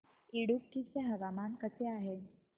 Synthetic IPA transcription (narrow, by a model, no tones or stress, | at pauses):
iɽukkiseɦəʋamankəseaɦe